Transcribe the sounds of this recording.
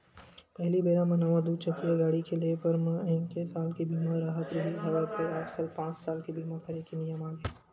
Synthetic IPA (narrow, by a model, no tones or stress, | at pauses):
pɛɦlibeːɾamɐ̃naʋãd̪uːd̪t͡ʃɐkijaɡaːɽikelepɐɾmɛ̃ɪnkesaːlkibiːmãɾaːɦət̪ɾibiɦɐʋat̪eaːd͡ʒkəlpãːt͡ʃsaːlkibiːmãkɐɾekinɪjəmaːɡe